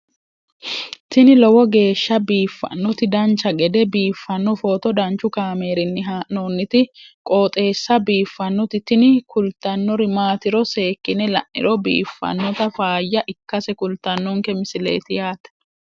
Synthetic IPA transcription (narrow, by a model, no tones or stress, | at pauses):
t̪ɪnɪlɔwɔɡe̞ːʃːɐbiːfːɐ̰nːɔt̪ɪd̪ɐnt͡ʃːɐɡɛd̪ɛbiːfːɐnːɔfoːt̪ɔd̪ɐnt͡ʃʊkaːmeːɾɪnːɪɦaːnoːnːɪt̪ɪkʼo̞ːt̪ʼe̞ːsːɐbiːfːɐnːɔt̪ɪt̪ɪnɪkʊlt̪ːɐnːɔɾɪmaːt̪ɪɾɔse̞ːkːɪnɛlɐ̰ʔʔɪ̰ɾɔbḭːfːɐ̰nːɔt̪ɐfaːjːɐʔɪkːɐsɛkʊlt̪ɐnːɔŋkɛmɪsɪlḛːt̪ɪjaːt̪ɛ̥